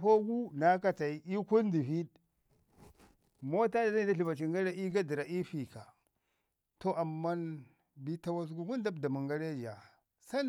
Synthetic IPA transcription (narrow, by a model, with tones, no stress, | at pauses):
ɸo˦ɡu˦na˦ka˦ta˨i˦ʔi˦ku˦n˦di˨vi˦d | mo˦ta˦da˨a˦i˨da˦ɬi˨va˨t͡ʃi˨ŋɡa˦ɾa˦i˦ɡa˦di˨ɾa˨ʔi˦fi˨ka˨ | to˦a˨mːa˦n | bi˦ta˦wa˦su˦ɡu˦ku˦nda˦bda˨mu˨ŋɡa˦ɾe˦˨d͡ʒa˨ | sa˦n